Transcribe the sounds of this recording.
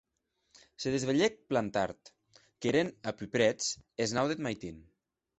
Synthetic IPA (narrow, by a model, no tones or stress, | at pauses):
seðezβeʎek̚plant̪a̰ɾt̪ | keɾenapypɾɛt͡seznawðet̪majt̪in